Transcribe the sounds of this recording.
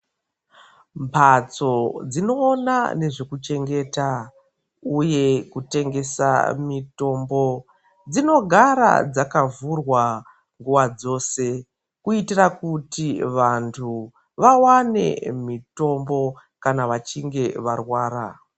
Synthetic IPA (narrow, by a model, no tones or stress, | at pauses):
mpʰat͡so̞d͡zino̞ːna̰ne̞ʐekut͡ʃe̞ŋɡe̞ːta | uje̞kute̞ŋɡe̞sa̰mito̞mbo̞ | d͡zino̞ɡʱaɾa̰d͡zakavurwa | ŋɡuʋad͡zo̞ːse̞ | kuitirakutiʋantʰu | ʋawane̞̰mito̞mbo̞ | kanaʋat͡ʃiŋɡe̞ʋarwaːra̰